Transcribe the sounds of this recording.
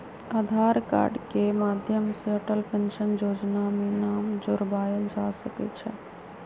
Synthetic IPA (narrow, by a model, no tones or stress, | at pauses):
ad̪ʱaɾka̰ːɾɖkemaːd̪ʱjəmsəʈəlpẽnʃənjoːd͡ʒnamenaːmd͡ʒʊɾbaːjəld͡ʒasəkɛ̰t͡ʃʰɛ̰